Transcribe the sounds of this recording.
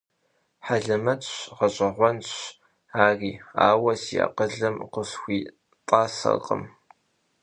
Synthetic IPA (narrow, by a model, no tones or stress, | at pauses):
ħaɮɐmɐtɕʁɐɕʼɐʁʷɔnɕ | aːriːa̰ːwɐsia̰qəɮɨmqəsxʷiː | tʼaːsɐ̰qʼə̰m